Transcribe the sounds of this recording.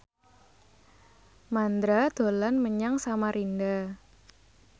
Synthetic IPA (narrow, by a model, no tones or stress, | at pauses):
mand̪ɾad̪̥o̤lanməɲaŋsamaɾʔinda